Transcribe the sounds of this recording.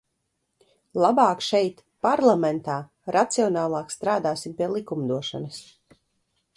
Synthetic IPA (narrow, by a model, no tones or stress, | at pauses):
lˠabaːkʃɛjt̪ | paɾlˠamɛnt̪aː | ɾat̪siɔnaːlˠɑːkst̪ɾaːd̪aːsimpiɛlˠikumd̪uɔʃa̰nɐs